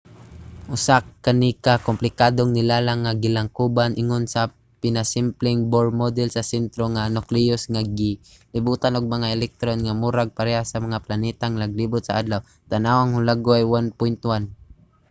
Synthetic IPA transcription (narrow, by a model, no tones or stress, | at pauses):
ʔʊsakːanikakomplɪkad̪oŋnɪlalaŋːaɡɪlaŋkuːbanʔɪŋonsa | pɪnasɪmplɪŋboɹmod̪ɛlsasɛnt̪ɾoŋanoklijʊsŋaɡɪ | lɪbuːt̪anʊɡ̚mɐŋaɛlɛk̚t̪ɾonŋamuɾaɡ̚paɾɛhasɐmɐŋaplanɛt̪aŋlaɡ̚libʊt̪̚saʔad̪law | t̪anawaŋhʊlaɡoajwanpʊnt̪wan